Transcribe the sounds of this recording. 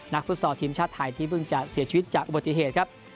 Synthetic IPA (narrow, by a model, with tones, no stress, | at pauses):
na˦˥k̚fɯ˦˥t̚sɔː˩t̪ʰiː˩˦mt͡ɕʰaː˥˩t̪ʰːaː˧˩jt̪ʰiː˥˩pʰɯ˧˩ŋt͡ɕa˨˩si˨˩˦t͡ɕʰi˧wi˦˥t̪̚t͡ɕaː˨˩k̚ʔu˨˩ba˨˩t̪ːi˨˩ɦeː˨˩t̪̚kʰa˦˥p̚